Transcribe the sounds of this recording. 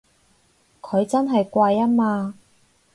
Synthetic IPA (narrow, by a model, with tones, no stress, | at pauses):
kʰɵ˨˧ɥt͡sɐ˥nɦɐ˨jkʷaː˧jɐ˥maː˧